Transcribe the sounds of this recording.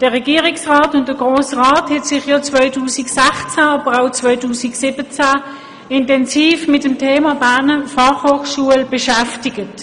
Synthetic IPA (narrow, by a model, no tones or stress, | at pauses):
d̥əʁɛɡiəʁiksʁaːtʊnt̚d̥əɡ̥ʁoːsʁaːthɛtsɪχjɔːt͡svœʏtʰuːsiksæχt͡sæɑb̥əʁaʊt͡svœʏtuːsiksɪbət͡sæ | ɪntɛnsiːfmɪtəmtʰeːmɑbænəfɑχhoːχʃuəlb̥ɛʃæftiɡət